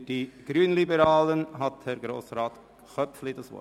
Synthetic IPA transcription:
d̥iɡ̥ɾyːnlibəɾɑːlənɦɑt̪hɛɾɡɾo̰ːsɾɑːt̪ | χœpflidɑsʋɔ̰

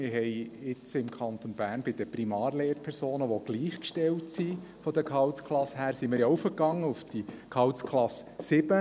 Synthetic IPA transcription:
mɪɾɦɛjɪt͡sɪmkʰɑnt̪onbæːɾnbɪd̥̪əpɾimɑːɾleːɾpʰɛɾsoːnəʋɔɡ̥liːχkʃtɛwtsi | fɔd̪əkʰɑwtskχlɑshæːɾsimɪɾjɑufəkɑŋːəufd̪̥ikʰɑwskχlɑsːɪb̥ə

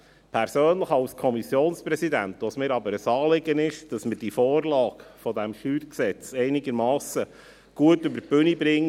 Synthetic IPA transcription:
pʰæɾsøːnləχɑlskʰɔmisjoːnspɾɛsidænt̪ʋosmɪːɾɑbəɾəsɑːlɪɡənɪʃd̥ɑsmərd̥ifɔːrlɑːkfɔdɛmʃyːɾksɛt͡sɛɪnɪɡəɾmɑːsə | ɡ̥uətʏbəb̥ʏnibɾɪŋː

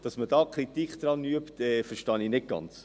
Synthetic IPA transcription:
d̥ɑsməd̥ɑːkχɾitikd̥̪ɾɑnyəpt̪ɛfəɾʃtɑninɪt̚ɡ̥ɑ̰nt͡s

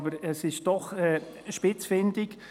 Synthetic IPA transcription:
bəɾɛsɪʃd̥ɔχɛː | ʃpɪt͡sfɪndɪk

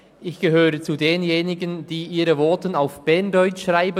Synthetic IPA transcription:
ʔɪçɡ̥əɦøːʁət͡sudeːnjeːnɪɡənd̥iːʔiːʁəvɔɐtənaʊfb̥ɛɐndɔʏt͡ʃʃʁaɪbə

